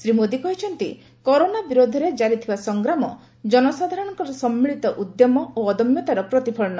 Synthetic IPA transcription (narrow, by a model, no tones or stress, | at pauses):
sɾimod̪ikɔɦit͡ʃʰɔnt̪i | kɔɾonabiɾod̪ʱɔɾed͡ʒaɾit̪ʰibasɔŋɡɾamɔ | d͡ʒɔnɔsad̪ʱaɾɔɽ̃ɔŋkɔɾɔsɔmːiɭit̪ɔʔud̪jɔmɔoːd̪ɔmjɔt̪aɾɔpɾɔt̪ipʰɔɭɔnɔ